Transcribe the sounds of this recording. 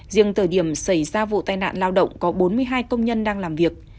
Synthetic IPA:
zḭ˧˨əŋt̪ʰəː˧˩jɗi˧˩əmsa˧˩jzaː˧vṵ˧˨t̪aː˨˩jna̰ː˧˨nlaː˧wɗə̰˧˨wŋ͡mkɔ˨˦ɓo˨˦nmɨ˧əjɦaː˧jkə˧wŋ͡mɲə˧nɗaː˧ŋlaː˨˩mvi˨˩ək̚

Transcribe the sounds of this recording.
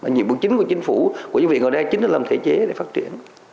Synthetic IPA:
maː˨˩ɲḭ˧˨ɓu˨˧ək̚t͡ɕi˨˦ŋ̟ku˧˩ət͡ɕï˨˦ŋ̟fu˧˩ku˧˩əɲɨ̰˧˥ŋvi˧˨˩ŋəː˨˩ɗa˧˩t͡ɕï˨˦ŋ̟ə˨˧˩laː˨˩mt̪ʰe˧˩t͡ɕe˨˦ɗe˧˩faː˦˥t̚t͡ɕḭ˧˩˨ən

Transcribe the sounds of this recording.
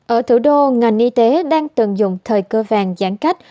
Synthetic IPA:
ʔəː˧˩t̪ʰɨ˧˩ɗo˧ŋa˨˩jŋ̟ʔi˧t̪e˨˦ɗaː˧ŋt̪ɨ˨˩ŋzʊ̰˧˨ŋ͡mt̪ʰəː˨˩jkəː˧vaː˨˩ŋzaː˧˩ŋka˦˥jk̟̚

